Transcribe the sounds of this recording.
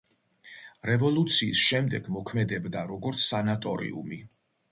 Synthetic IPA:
ɾɛvɔlˠut̪sʰiːsʃɛmd̪ɛɡmɔkʰmɛd̪ɛbd̪aɾɔɡɔɾt̪sʰsanat̪ʼɔɾḭṵmi

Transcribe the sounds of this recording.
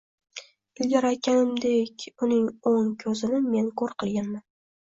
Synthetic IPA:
ɪlɡʲaɾajkʲʰanɪmd̪ekʲʊnɪŋoŋkʲʰɵzɪnɪme̞nkʰɵɾqʰɨlˠɡʲanman

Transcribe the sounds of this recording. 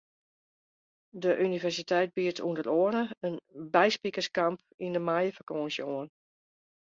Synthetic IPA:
dəʔynivɛrsitʰɛjt̚biətʰṵndəɾoənəənbɛjspikəskamp | indəmajəfəkoənsjəoən

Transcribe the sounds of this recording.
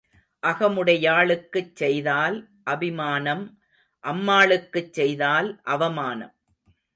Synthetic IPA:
ʔɐɣɐmɯɽɐjaːɭɯkːɯt͡ʃsɛjðaːl | ʔɐbɪmaːnɐm | ʔɐmːaːɭɯkːɯt͡ʃːsɛjðaːlʔɐʋɐmaːnɐ̰m

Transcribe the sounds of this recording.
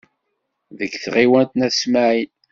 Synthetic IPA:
ðəɡθʁiwænt̪næsmaʕin

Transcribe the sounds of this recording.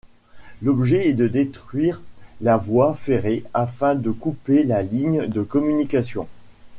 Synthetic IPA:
lɔbʒɛɛd̪əd̪et̪χɥiʁlavwafeʁeafɛ̃d̪əkupelaliɲd̪əkɔmynikasjɔ̰̃

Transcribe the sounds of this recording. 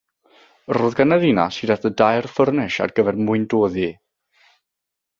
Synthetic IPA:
roːðɡanaðina̰sidatədajrfərnɛʃa̰rɡəvɛrmʊɨndoːði

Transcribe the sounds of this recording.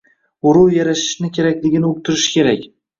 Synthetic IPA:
ʊɾuwjaɾaʃɪ̥ʃnɪkʲʰe̞ɾakʲlɪɡʲɪnɪok̚t̪ʰɪɾɪʃkʲe̞ɾakʲ

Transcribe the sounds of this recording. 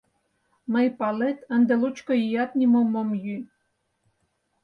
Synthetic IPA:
mə̆jpɑlet̪ə̆nd̪ĕlut͡ɕkojijɑt̪nʲimomomjy

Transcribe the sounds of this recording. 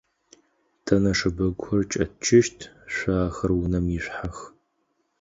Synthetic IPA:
tʰɐnɐʂɨbɐkʷʰɔrt͡ʃʼɐ̰t͡ʃʰɪʃtʰɕʷaːxɐrwnɐmjɪɕʷħax

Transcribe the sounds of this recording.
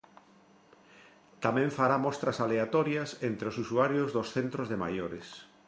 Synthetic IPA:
t̪amɛ̃ɱfaɾamɔst̪ɾɐsaleat̪ɔɾjɐsent̪ɾeosusuaɾjozðosθent̪ɾozðema̰joɾes

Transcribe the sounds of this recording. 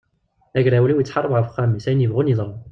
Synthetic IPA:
æʝɾæwliwjət͡sːħɑrˤːəbʁəfχæmisæjnjəvʁunjiðˤɾˤu

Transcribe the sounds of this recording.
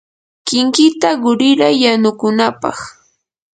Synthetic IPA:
kɪŋkɪt̪aɢʊɾɪɾajːanʊkʊnapɑ̰χ

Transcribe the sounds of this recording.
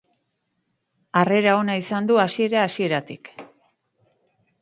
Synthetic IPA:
are̞ɾao̞naisand̪uasie̞ɾaːsie̞ɾat̪ḭk

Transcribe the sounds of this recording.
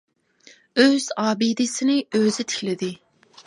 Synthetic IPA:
øz̥ɑːbid̪ɪsɪnɪøzɪt̪ʰe̥kʲlɪd̪ɪ

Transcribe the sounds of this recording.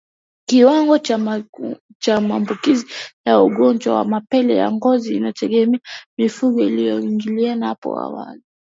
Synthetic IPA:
kiwaŋɡɔt͡ʃ | t͡ʃamaːmbukizijauɡɔnd͡ʒwawa̰mapɛlɛja̰ŋɡɔziːnatɛɡɛmɛamifuɠɔilijɔiŋɡilianaapɔ̰a̰wa̰li

